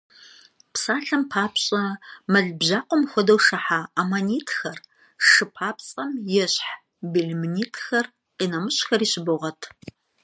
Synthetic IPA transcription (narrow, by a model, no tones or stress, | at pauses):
psaːɬɐmpʰaːpʰɕʼɐmɐɮbʑaːqʷʼɔmxʷɔdɐwʂɐħaːamaniːtʰxɐr | ʂɨpʰaːpt͡sʼɐmjɛɕħ | biɮmniːtʰxɐr | qiːnɐmɨɕxɐriːɕɪbɨʁɐtʰ